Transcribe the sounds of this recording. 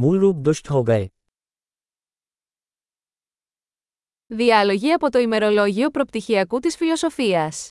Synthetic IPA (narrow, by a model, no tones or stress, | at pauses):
mulɾud̪oʃt̪oɡɐj | ðiɐlo̞ʝiɐpo̞t̪o̞ime̞ɾo̞lo̞ʝio̞pɾo̞pt̪içiɐkut̪isfilo̞so̞fiɐs